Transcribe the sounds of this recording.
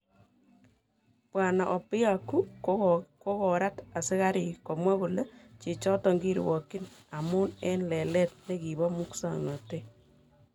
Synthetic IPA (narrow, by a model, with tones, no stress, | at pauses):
pwa˨na˨ʔɔ˨pɪ˦a˨kːu˦ | ko˦kɔ˨ɾa˦ta˨sɪ˦ka˦ɾi˨kɔ˨mwa˦ku˨le˦t͡ʃe˨t͡ʃɔ˦tɔ˨ŋɡi˦ɾ̰wɔ˨kɪ˦na˨mu˦nɛ˦nlɛ˨lɛ˦t̚ne˦ki˨bɔ˦mu˦ksa̰˨ŋnɔ˨te